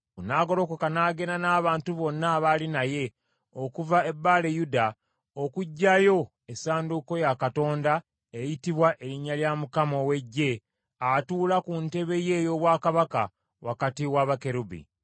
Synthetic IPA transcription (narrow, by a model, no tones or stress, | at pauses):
kunaːɡo̞lo̞kokanaːɡe̞nanaːβaːntuβo̞nːaβalinaje̞ | okuvae̞bːaːle̞juda | okuɟːajo̞ | esaːnduko̞jakato̞ːnda | ejitiβwaʔe̞ɾiɲːaljamukamowe̞ɟːe̞ | atuːlakunte̞βe̞je̞ːjo̞ːβwaːkaβaka | wakatiwaβake̞ɾubḭ